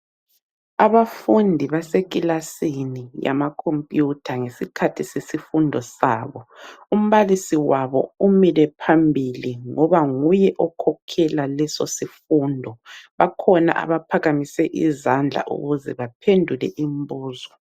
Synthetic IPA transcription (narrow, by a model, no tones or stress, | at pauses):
aβafundʱiβasek̬ʼilasinija̰makʰompʼjutʰaŋesikʰatʰisesifundʱɔsaːβɔum̩βalisiwaβɔ̰umilɛpʰambʱiliŋɔβaŋujɛʔɔkʰɔkʰɛlalɛsosifuːndʱɔβakʰɔna̰ʔa̰βapʰaɣamisɛʔizand͡ɮʱa̰ʔṵɣuzɛβapʰendʱulɛʔimbuːzɔ